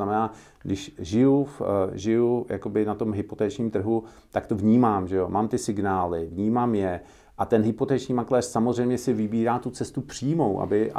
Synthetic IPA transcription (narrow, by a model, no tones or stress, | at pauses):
amɛnaː | ɡdɪʃʒɪjufʒɪjuja̰ko̞bɪnat̪o̞mɦɪpo̞t̪ɛːt͡ʃɲiːmt̪r̩ɦu | t̪akt̪o̞vɲiːmaːmʒɛomaːmt̪ɪsɪɡnaːlɪvɲiːmaːmjɛ | ʔat̪ɛnɦɪpo̞t̪ɛːt͡ʃɲiːmaklɛːrsamo̞zrɛjmɲɛsɪvɪbiːɾaːt̪ut͡sɛst̪upr̝̥iːmo̞wʔa̰bɪ